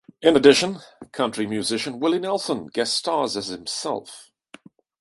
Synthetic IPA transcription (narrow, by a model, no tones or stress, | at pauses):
ɪ̃nədɪʃə̃nkʰʌ̃nt͡ʃɹ̥imjʉzɪʃə̃nwɪlˠɪnɛlˠsə̃nɡ̥ɛtstɑːzəz̥hɪ̃msɛ̰lˠf